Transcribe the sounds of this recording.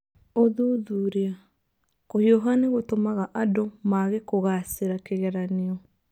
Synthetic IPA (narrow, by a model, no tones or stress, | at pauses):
oðuðuɾea | koiɔɦaneɣotomaɣaʔadomaɣekoɣaseɾakeɣɛɾaneɔ